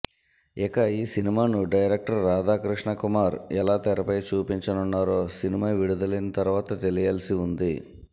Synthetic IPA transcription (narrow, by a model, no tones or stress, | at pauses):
ɛkɐiːsinimaːnuɖɐjɾek̚ʈɐɾːaːd̪aːkɾiʂɳɐkumaːɾɛlaːt̪ɛɾɐpɐjt͡ʃuːpiɲt͡ʃɐnunːaːɾoːsinimaːʋiɽud̪ɐlɐjnɐt̪ɐɾuʋaːt̪ɐt̪elijaːlɐsiund̪i